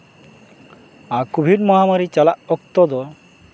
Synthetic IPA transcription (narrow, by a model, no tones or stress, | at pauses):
akubʱiɖmɔɦamaɾit͡ʃalaʔɔk̚t̪ɔd̪ɔ